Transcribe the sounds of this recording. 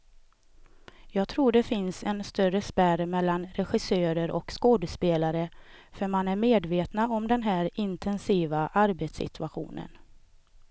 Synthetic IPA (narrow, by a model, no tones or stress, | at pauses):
jɑːɡ̚t̪ʰɾuːɖɛfɪnsɛnst̪œrəspæɾmɛlːanɾɛɧɪsøːɾəɾʔɔkskoːd̪əspeːlaɾəfœɾmanæɾmeːd̪veːt̪naɔmd̪ɛnɦæːɾɪnt̪ʰɛnsiːvaʔaɾbeːt̪sɪ̰t̪ʰɵaɧṵːnə̰n